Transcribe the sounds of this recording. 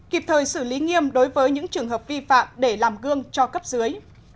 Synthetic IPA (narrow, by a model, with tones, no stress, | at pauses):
ki˨˩p̚t̪ʰəː˨˩jsɨ˧˩li˨˦ŋi˧əmɗo˨˦jvəː˨˦jɲɨ̰˧˥ŋt͡ɕɨ˨˩əŋɦəː˨˩p̚vi˧fa̰ː˧˨mɗe˧˩laː˨˩mɣɨ˧əŋt͡ɕɔ˧kə˦˥p̚zɨ˨˦əj